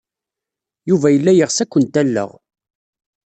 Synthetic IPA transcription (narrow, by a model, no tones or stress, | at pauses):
juvæjəlːæjəʁsækʷːənt̪ælːə̰ʁ